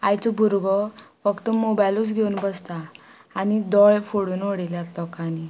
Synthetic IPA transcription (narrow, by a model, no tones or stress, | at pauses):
a̰jt͡sɔbʱuɾɡɔfəkt̪əmobajluːt͡sɡʱeunbəst̪aː | nid̪ɔɭɛfoɽuːnoɽiljat̪lɔkani